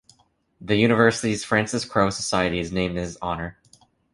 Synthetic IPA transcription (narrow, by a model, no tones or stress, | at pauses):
ðɨjʉñɨvɜ˞sɨɾiz̥fɹæ̃nsɨskʰɹ̥oʊsəsaɪɨɾiznẽɪ̃md̚ɨzɑnə˞